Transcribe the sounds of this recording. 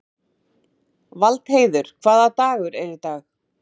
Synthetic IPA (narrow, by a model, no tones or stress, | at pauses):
valt̪heːjðʏɾ̥kʰvaːðat̪aːɣʏɾɛɾɪt̪aːx